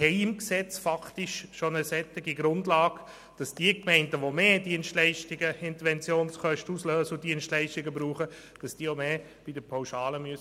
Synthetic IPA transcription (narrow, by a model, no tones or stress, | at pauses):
hɛɪɪmksɛt͡sfɑktɪʃʃonəsɛtːɪɡiɡɾʊndlaːɡ̥ | d̥ɑsd̥iːəkmɛɪndəʋomeːd̥iənstlɛɪʃtɪɡəɪnt̪əɾʋɛnt͡sjoːnskœʃtəusløːsəʊd̥iənsʃtlɛɪʃtɪɡəbɾuːχə | d̥ɑsd̥iəomeː | b̥idəpʰaʊʃɑːləmyəs